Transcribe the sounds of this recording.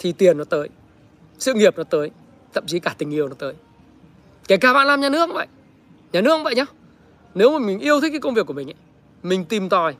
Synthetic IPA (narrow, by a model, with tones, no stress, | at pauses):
t̪ʰi˨˩t̪i˨˩ənːɔ˨˦t̪əː˨˦j | sɨ̰˧˨ŋi˨˩əp̚nɔ˨˦t̪əː˨˦j | t̪ʰə̰˧˨mt͡ɕi˨˦kaː˧˩t̪ï˨˩ŋ̟ʔi˧əwnɔ˨˦t̪əː˨˦j | kaː˨˩kaː˧˩ɓa̰ː˧˨nlaː˧mɲaː˨˩nɨ˦˥ək̚və̰˧˨j | ɲaː˨˩nɨ˦˥ək̚və̰˧˨jɲɔ˧˦ | ne˨˦wmaː˨˩mï˨˩ŋ̟ʔi˧əwt̪ʰə˨˦kaː˨˦kə˧wvi˨˩əku˧˩mï˨ŋ̟ʔa̰˨˦ | mï˨˩ŋ̟t̪i˨˩mt̪ɔ˨˩j